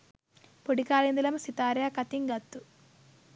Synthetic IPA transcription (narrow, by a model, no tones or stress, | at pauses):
poɽikaːlind̪ilɐmsit̪aːɾjakɐt̪iŋɡɐt̪ːu